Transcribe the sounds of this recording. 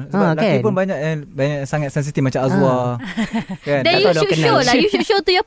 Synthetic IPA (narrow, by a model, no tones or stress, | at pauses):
səbalakipʊnbaɲakjabaɲak̚saŋat̪̚sɛns̬it̪ifmat͡ʃamazua | kandajuʃolajuʃuʃot̪uja